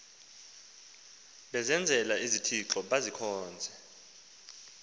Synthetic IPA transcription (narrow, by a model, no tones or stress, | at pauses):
ɓɛzɛnd͡zʱɛlaizitʰiǁɔɓazikʰɔːnd͡zʱɛ